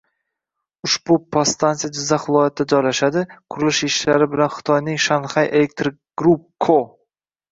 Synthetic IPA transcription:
ʊʃbʊpʰast̪ʰansijad͡ʒɪzːaχvɪlˠɒjat̪ɪd̪ad͡ʒɒjlaʃad̪ɪqʰʊɾɪlɪʃɪʃlaɾɪbɪlanχɨ̥t̪ʰɒjnɪŋʃanχajʔelek̚t̪ɾɪkɡ̥ɾup̚kʰːo

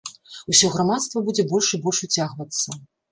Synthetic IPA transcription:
usʲɔɣɾamat̪st̪vɐbud͡zʲɛbɔlʲʂibɔlʲʂut͡sʲaɣvɐt̪sːɐ

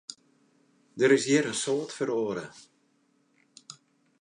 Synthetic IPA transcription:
dəɾɪsjɪəɾənsoːtfəɾoːɾə

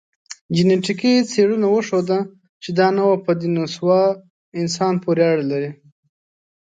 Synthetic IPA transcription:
d͡ʒɪneʈikit͡seɽunawəʂod̪a | t͡ʃed̪ɑnawapəd̪inaswɑ | ɪnsɑnpoɾeɑɽalaɾi

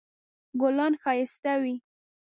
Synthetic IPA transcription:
ɡolɑnxɑjɪst̪awi

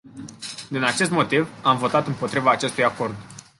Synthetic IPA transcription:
d̪inat͡ʃe̞st̪mo̞t̪ivamvo̞t̪at̪ɨmpo̞t̪ɾivaːt͡ʃe̞st̪ujako̞rd̪

